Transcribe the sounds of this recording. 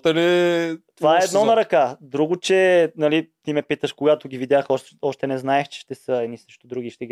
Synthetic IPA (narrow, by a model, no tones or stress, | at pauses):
t̪ɐlɛt̪vaɛːd̪nɔnɐɾɐkad̪ɾuɡʊt͡ʃɛnɐlit̪imɛpit̪əʃkoɡat̪ʊɡʲivid̪ʲjaxɔʃ | ɔʃt̪ɛnɛznaɛxt͡ʃɛ̥ʃt̪ɛsəɛd̪nisəʃt̪ʊd̪ɾuɡʲiʃt̪ɛɡi